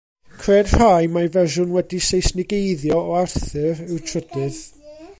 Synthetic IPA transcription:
kʰreːd̥r̥ajmavɛrʒʊnwɛdisejsnɪɡejðjɔɔarθɨɾɪwtʰrədɨð

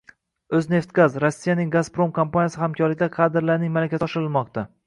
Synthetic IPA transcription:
ɵzne̞ft̪ɡazɾɒsːijanɪŋɡazpɾo̞mkʰampanʲjasɪhamkʰʲɒɾlɪk̚ʲd̪aqʰɑd̪ɪɾlaɾnɪŋmalakʲasɒʃɪɾɪlmɒq̚t̪ʰa

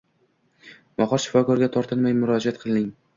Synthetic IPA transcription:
mɒqɒɾʃɪ̥fɒkɒɾɡʲat̪ʰɒɾt̪ʰɨlmajmʊɾɒd͡ʒiat̪̚qʰɨlˠnɪŋ

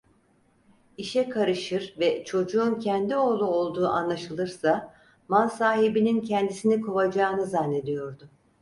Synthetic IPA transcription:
iʃɛkʰaɾɯʃɯɾvɛt͡ʃʰo̞d͡ʒuːncʰɛnd̪io̞ːlˠuo̞lˠd̪uːʔanlˠaʃɯlˠɯɾsa | mansaːɦibinincʰɛnd̪isinikʰovad͡ʒaːnɯzanːe̞d̪ijo̞ɾd̪ʊ

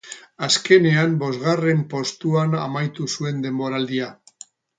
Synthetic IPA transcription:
aske̞ne̞ambo̞zɣare̞mpo̞st̪uana̰majt̪usue̞nd̪e̞mbo̞ɾald̪ia

